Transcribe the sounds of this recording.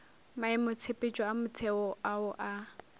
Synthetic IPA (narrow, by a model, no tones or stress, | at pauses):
maɪmʊt͡sʰepʼɪt͡ʃʼɔamʊt͡sʰɛɔaʊʔa